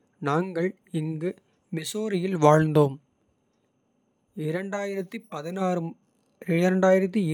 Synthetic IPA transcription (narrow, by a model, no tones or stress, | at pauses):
naːŋɡɐɭ | ɪŋɡɯ | mɪsoːɾɪjɪlʋaːɻnd̪oːm | ɪɾɐɳɖaːjɪɾɐt̪ːipɐðɪnaːɾɯ | ɪɾɐɳɖaːjɪɾɐt̪̬ːiɪ